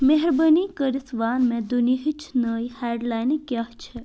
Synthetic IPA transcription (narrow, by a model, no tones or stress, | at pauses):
meɦɾbənikəɾisʋaːnmẽd̪uniɦit͡ʃʰnəjhaːɖlaːjnkjaɦt͡ʃʰɛ